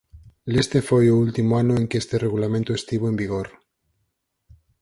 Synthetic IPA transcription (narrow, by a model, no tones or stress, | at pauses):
lest̪efojʊult̪imoanʊeŋkest̪ereɣulamẽnt̪oest̪iβoembiɣoɾ